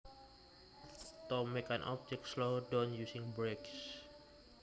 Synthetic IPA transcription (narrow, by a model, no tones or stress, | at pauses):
t̪ɔmɛkãnʔɔ̰b̚tɛk̚slodɔnjusĩŋbɾeks